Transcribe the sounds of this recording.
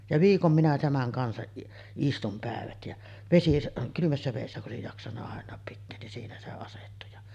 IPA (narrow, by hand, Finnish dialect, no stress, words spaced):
jɑ ʋiːkom minæ tæmæŋ kɑnsɑʔ ʔistum pæˑeʋæt jæ ʋesisɑ kylymæsːæ ʋeˑisːæ kuʔ ʔoˑesij jɑksɑnːɑ ɑˑenˑɑːp pitːeːn nin siːnæ se ɑsetːu jɑ